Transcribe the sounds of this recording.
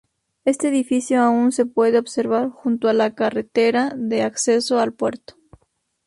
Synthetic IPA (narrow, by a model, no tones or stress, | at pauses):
e̞st̪e̞ːðifisjoaunse̞pwe̞ðeoβse̞ɾβaɾxunt̪oalakaret̪eɾaðeakse̞so̞alpweɾt̪o̥